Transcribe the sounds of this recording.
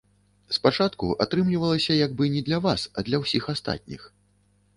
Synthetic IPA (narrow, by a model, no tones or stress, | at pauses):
spat͡ʂat̪kuʔa̰t̪ɾɨmlʲivɐlˠɐsʲɐjaɡ̚bɨnʲɛd̪lʲɐvasɐd̪lʲɐwsʲixast̪a̰t̪̚ʲnʲḭx